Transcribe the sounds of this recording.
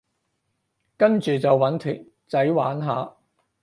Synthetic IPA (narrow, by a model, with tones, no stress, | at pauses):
kɐ˥nt͡ʃyː˨˩t͡sɐ˨wːɐ˨˥nt̪ʰy̰ː˨˩n | t͡sɐ˨˥jwaː˨˥nɦaː˨˧